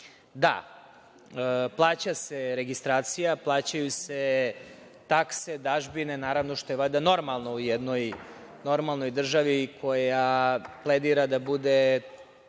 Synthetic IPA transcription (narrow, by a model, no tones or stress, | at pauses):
d̪a̰ | plˠaːt͡ɕaseɾeɡist̪ɾaːt̪sijaplˠaːt͡ɕajuse | t̪akse̞d̪aʒbinenaːɾaʋnoʃt̪ojelad̪ano̞ɾmalˠno̞ujɛd̪no̞j | no̞ɾmalˠno̞jd̪r̩ʒaʋikʰo̞japled̪iɾad̪abud̪e